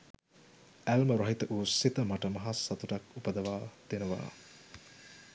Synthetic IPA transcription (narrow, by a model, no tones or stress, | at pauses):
ælməɾɐɦit̪əʔuːsit̪əmaʈəmɐɦasːat̪uʈakupəd̪ɐʋaːd̪̥enəʋa̰ː